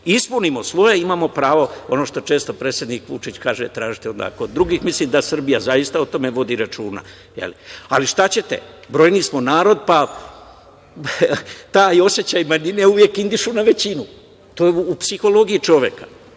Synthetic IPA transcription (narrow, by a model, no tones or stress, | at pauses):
ispunimo̞sʋo̞jeimaːmo̞pɾaːʋo̞ono̞ːʃt̪o̞t͡ʃe̞ːst̪o̞pɾe̞ːt̪sʲjed̪nikʋṵt͡ʃit͡ɕkaːʒet̪ɾaːʒit̪eɛond̪a̰koːd̪ːɾuɡixmislimd̪asr̩bijazajist̪aot̪o̞me̞ʋo̞d̪iɾat͡ʃuːna̰ | jḛlialiʃt̪at͡ɕe̞t̪ḛbɾo̞jnismo̞naːɾo̞d̪̚pa | t̪aːio̞sjet͡ɕajmanineuʋje̞kind̪iʃunaʋe̞t͡ɕinu | t̪ojeuːpsixo̞lo̞ɡiit͡ʃo̞ʋje̞ka